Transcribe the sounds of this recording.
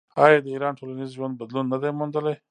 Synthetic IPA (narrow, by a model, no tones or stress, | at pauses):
ɑjɑd̪əiɾɑnʈʰolanizʒwand̪̚bad̪lunːad̪ajmʊnd̪əlaj